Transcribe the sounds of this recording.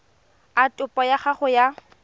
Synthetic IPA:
atʼʊpʼɔjaχaχʊja

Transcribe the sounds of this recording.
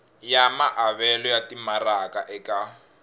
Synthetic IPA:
jamaʔaβɛlɔjatimaraka̰ʔɛka

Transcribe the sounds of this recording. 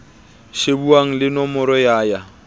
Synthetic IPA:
ʃebuaŋ̩lɪnɔmʊɾɔjaːja

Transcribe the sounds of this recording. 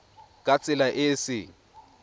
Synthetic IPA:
kʼat͡sʼɪlaʔɪsɪ

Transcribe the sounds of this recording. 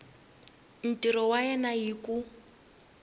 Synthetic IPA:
n̩tiɾɔwaɛnajiku

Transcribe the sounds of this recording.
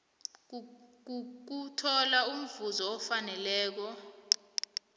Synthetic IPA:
k̬utʰɔlaum̩vuzɔɔfanɛlɛːk̬ɔ

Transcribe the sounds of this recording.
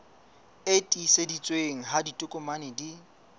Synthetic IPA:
etʼisedit͡sʼweŋ̩ɦaditʼʊkʼʊmanɪdi

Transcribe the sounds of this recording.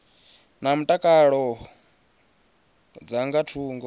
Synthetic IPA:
nam̩tʼakʼaɺɔ | d͡zaŋɡatʰuːŋɡɔ

